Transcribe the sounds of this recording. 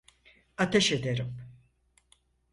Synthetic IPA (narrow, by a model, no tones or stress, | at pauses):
at̪ʰeʃed̪eɾim